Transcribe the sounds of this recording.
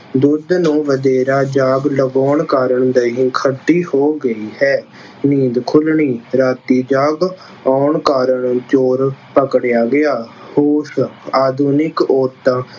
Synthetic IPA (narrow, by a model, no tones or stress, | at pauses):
d̪ʊd̪nũːʋəd̪eːɾaːd͡ʒaːɡləɡɔːɳkaːɾəɳd̪əɦĩːkʰəɖːiːhoːɡəiːhɛː | niːd̪kʰʊlɳiːɾaːt̪iːd͡ʒaːɡ | aːɳkaːɾəɳt͡ʃoːɾpəkɽjaːɡɪjaː | hoːsaːd̪uːnɪkoːt̪ãː